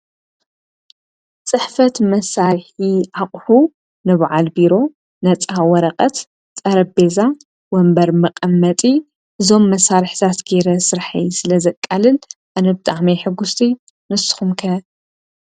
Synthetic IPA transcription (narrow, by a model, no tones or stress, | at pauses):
t͡sʼɨħfɐt̪mɐsːaɾħiaqʼħu | nɨβʕalbiɾo̞ | nɐt͡sʼawɐɾɐqʼɐt̪ | t͡sʼɐɾɐbe̞za | wɐmbɐɾmɨqʼɐmːɐt̪ʼi | ʔɨzo̞mːɐsaɾħt̪ʰat̪ɡeɾɐsɨɾħa̰jsɨlɐzɐkʼːalɨlʔanɐbɨt̪ʼaʕmejħɨɡːust̪ʰi | nɨsːɨ̥xumkʰɐ